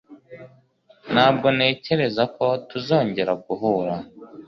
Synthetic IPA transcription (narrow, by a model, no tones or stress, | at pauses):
naːb̚ɡo̞ne̞ːce̞ɾe̞zako̞tuzo̞ːɲɟe̞ɾaɡuɦuːɾa